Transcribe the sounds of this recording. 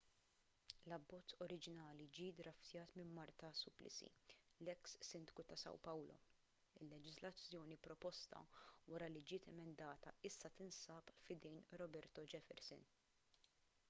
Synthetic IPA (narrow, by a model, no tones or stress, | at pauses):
lɐbːɔt͡sːɔɾɪd͡ʒɪnɐːlid͡ʒiːd̪ɾɐft̪jɐːt̪mɪmːɐɾt̪ɐsʊplɪ̰sḭlɛksːɪnd̪kut̪ɐsɐ̰wpɐwlɔ̰ | ɪlːɛd͡ʒɪzlɐt͡sːjɔːnipɾɔpɔst̪ɐ̰wɐɾɐlid͡ʒɪːt̪ɛmɛnd̪ɐːt̪ɐɪsːɐt̪ɪnsɐːpfɪd̪ɛjnɾɔbɛɾt̪ɔd͡ʒɛfɛ̰ɾsɪ̰n